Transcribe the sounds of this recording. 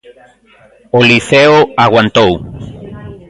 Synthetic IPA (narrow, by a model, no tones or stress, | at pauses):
oliθeoaɣwant̪ow